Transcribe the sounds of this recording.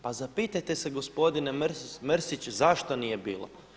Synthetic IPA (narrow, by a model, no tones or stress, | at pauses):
pazapiːt̪ajt̪e̞seɡospo̞d̪inemɾmɾsit͡ɕzaʃt̪onije̞biːlˠo̰